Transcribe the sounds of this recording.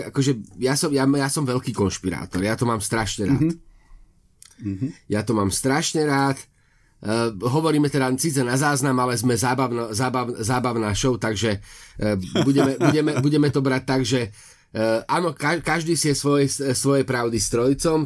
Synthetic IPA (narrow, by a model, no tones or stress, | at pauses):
akɔʒɛjasɔmjajasɔmʋɛʎkiːkɔnʃpiɾa̰ːt̪ɔɾjat̪ɔmaːmst̪ɾaʃɲɛɾa̰ːt̪ | jat̪ɔmaːmst̪ɾaʃɲɛɾaːt̪ː | ɦɔʋɔɾiːmɛt̪ɛd̪asit͡sɛnazaːznamalɛzmɛzaːbaʊnazaːbaʊnzaːbaʊnaːʃɔʊt̪aɡʒɛ | buɟɛmɛbuɟɛmɛbuɟɛmɛt̪ɔbɾac̚t̪ːaɡʒɛ | ʔaːnɔkakaʒd̪iːsiɛsʋɔjɛssʋɔjɛpɾaʊd̪ist̪ɾɔjt͡sɔm